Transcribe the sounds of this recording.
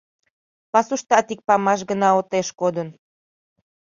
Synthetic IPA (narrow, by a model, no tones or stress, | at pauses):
pɑsuʃt̪ɑt̪ik̚pɑmɑʃ̬ɡənɑot̪eʃkod̪ən